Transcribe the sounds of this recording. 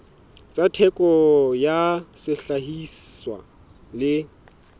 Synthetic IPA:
t͡sʼatʰɛkʼɔjasɪɬaɦisswa̰ | lɪ

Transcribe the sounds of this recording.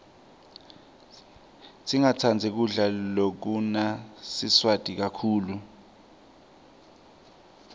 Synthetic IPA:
tʼiŋat͡sʰand͡zʱɛk̬uɮalok̬unasiswatʼik̬akʰuːlu

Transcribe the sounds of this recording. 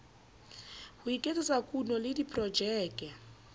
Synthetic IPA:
hʊikʼet͡sɪsakʼunɔlɪdipʰʼrɔd͡ʒɛːkʼɛ

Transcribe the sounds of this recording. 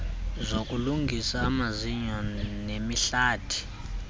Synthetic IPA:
zok̬ʼuluŋɡʱisaːmaziɲɔnemiɬaːtʰi̥

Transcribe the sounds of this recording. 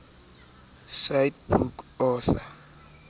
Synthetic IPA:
sajt̚bukɔθa

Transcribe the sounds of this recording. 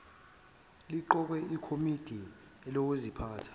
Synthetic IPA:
liǃɔk̬wɛikʰomid̥ʱi | ɛlok̬uzipʰaːtʰḁ

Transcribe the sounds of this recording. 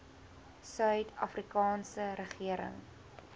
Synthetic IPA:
sœɥtʰɐfrikɑːnsəɾəχiəɾə̰ŋ

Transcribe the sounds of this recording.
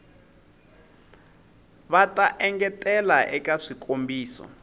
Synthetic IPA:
βatʼaʔɛŋɡɛtʼɛlaʔɛkʼaʂikombiːsɔ̰

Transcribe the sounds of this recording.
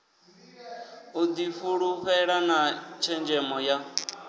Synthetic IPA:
ud̪ifuɺuɸɛɺanat͡ʃʰɛnd͡ʒɛmɔja

